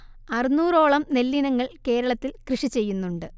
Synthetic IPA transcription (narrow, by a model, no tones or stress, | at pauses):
ɐrinuːro̞ːɭɐmne̞lːinɐŋːɐɭke̞ːɾɐɭɐt̪ːilkrɨʂit͡ɕe̞jːunːuɳɖɨ